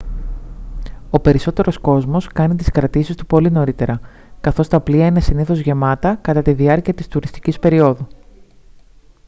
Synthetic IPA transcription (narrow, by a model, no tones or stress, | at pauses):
o̞pe̞ɾiso̞t̪e̞ɾo̞sko̞zmo̞skɐnit̪̬iskɾɐt̪isist̪upo̞lino̞ɾit̪e̞ɾɐ | kɐθo̞st̪ɐpliɐine̞siniθo̞zʝe̞mɐt̪ɐkɐt̪ɐt̪iðiɐɾciɐt̪ist̪uɾist̪i̥cispe̞ɾio̞ðu